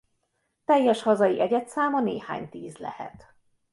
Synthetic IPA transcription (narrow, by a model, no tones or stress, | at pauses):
t̪ɛjːɛʃhɒzɒjiʔɛɟɛt̪saːmɒnḛːha̰ːɲt̪iːzlɛ̰hɛ̰t̪